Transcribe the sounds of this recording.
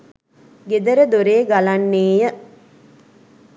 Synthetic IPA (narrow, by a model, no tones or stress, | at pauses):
ɡed̪əɾəd̪oɾeːɡalanːeːjə